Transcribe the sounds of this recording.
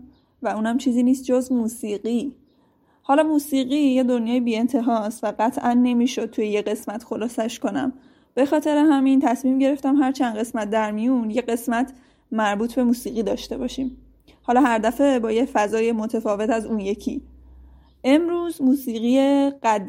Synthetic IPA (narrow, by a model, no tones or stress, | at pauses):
væuːnæmt͡ʃʰiːziːniːst̪̚d͡ʒo̞zmuːsiːɢiː | hɒːlɒːmuːsiːɣijed̪o̞njɒːjibiːe̞nt̪ʰe̞ɦɒːsvæɢæt̪ʰʔænːe̞miːʃo̞d̪̚t̪ʰujeje̞ɣe̞smæt̪xo̞lɒːsæʃko̞næ̰m | b̥e̞xɒːt̪ʰe̞ɾeɦæmint̪ʰæsmiːmɟe̞ɾe̞ft̪æmɦæɾt͡ʃʰænd̪ɢe̞smæt̪̚d̪æɾmijunje̞ɢe̞smæt̪ʰ | mæɾbuːt̪ʰbe̞muːsiːɣiːd̪ɒːʃt̪e̞bɒːʃiːm | hɒːlɒːɦæɾd̪æfe̞bɒːjefæzɒːjemo̞t̪ʰefɒːve̞t̪ʰæzuːnje̞cʰḭ | ʔe̞mɾuːzmuːsiːɣie̞ɢæd̪